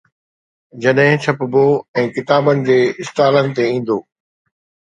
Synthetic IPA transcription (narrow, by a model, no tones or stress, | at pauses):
d͡ʑɐɗɦɪ̃t͡ɕʰɐpboɛ̃ːkɪt̪aːbənɪ̆d͡ʑeːɪst̪aːlənɪ̆t̪eĩːn̆d̪oː